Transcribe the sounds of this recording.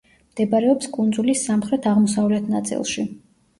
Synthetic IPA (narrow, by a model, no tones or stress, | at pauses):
md̪̥ɛbaɾɛɔpskʼund̪zulisːamχɾɛt̪ʰaʁmɔsavlɛt̪ʰnat̪sʼḭlˠʃi